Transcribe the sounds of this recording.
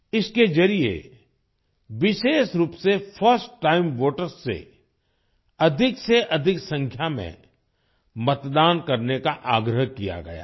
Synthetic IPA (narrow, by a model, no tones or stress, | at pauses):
ɪsked͡ʒɐɾiḛ | ʋɪʃeːʃɾuːpsefʰəɾsʈːaːɪmʋoːʈəɾsːḛ | ɐd̪ʱɪkseʔɐd̪ʱɪksɐ̃ŋkʰjamḛ̃ | mɐt̪d̪aːnkɐɾnekaʔaːɡɾəɦkija̰ɡɐ̰ja̰ː